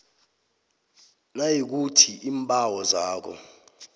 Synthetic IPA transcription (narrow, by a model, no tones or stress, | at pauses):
najik̬utʰiiːmpʼawɔzaːk̬ɔ̰